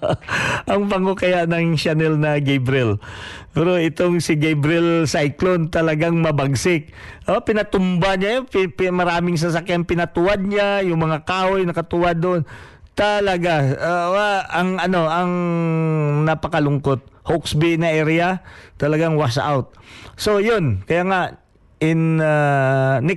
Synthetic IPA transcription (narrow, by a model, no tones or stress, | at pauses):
ʔɐŋpɐŋokɐjaʔnɐŋʃanɛlnɐɡɛjbɾɪlpɛɾoɪt̪oŋsɪɡɛjbɾɪlsajklont̪ɐlɐɡaŋmɐbaɡsɪk̚ʔopɪnɐt̪ʊmbaɲajoppmɐɾaːmɪŋs̬ɐs̬akjanpɪnɐt̪ʊwad̪̚ɲajʊŋmɐŋakaːhojnɐkɐt̪ʊwad̪ːoʔn | t̪ɐlɐɡaaʔɐŋʔɐno̞ʔɐŋ | nɐpɐkɐlʊŋkot̪̚hoksbɪnɐʔɛɾɪat̪ɐlɐɡaŋwasa̰wt̪̚so̞jonkɐjaːŋaʔ | ɪnanɪ